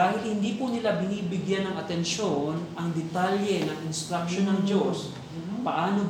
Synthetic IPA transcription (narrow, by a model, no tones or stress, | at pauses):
aːhɪlhɪnd̪iːpʊnɪlabɪniːbɪɡjanɐŋɐt̪ɛnʃonɐŋd̪ɛt̪aljɛnɐŋʔɪnskɾɐkʃo̞nɐŋd͡ʒos | pɐʔaːno